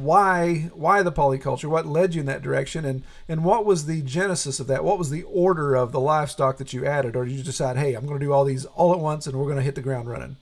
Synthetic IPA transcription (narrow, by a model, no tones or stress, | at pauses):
waɪwaɪðəpʰɑlˠikʰʌ̰lˠt͡ʃə˞wʌtˡlɛd͡ʒɨɨ̃nðɨ̰t̚d̥ə˞ɛkʃɨ̃nɨ̃n | ɨ̃nwʌt̚wʌzðɨd͡ʒɛnɨsɨsʌvðɨʔ̚wʔʌt̚wʌzðiʔɔɹɾə˞ʌvðəlaɪv̥stɑk̚ðɨt͡ʃɨʔæɾɨɾə˞jɨdɨsaɪd̚ɦeɪãɪ̃mɡʌnɨdɨɔlˠðizɔlˠət̚wʌ̃nsə̃nwəɹɡʌñɨɦɪt̪̚ðɨɡɹãʊ̃ndɹʌ̰̃nɪ̰̃ŋ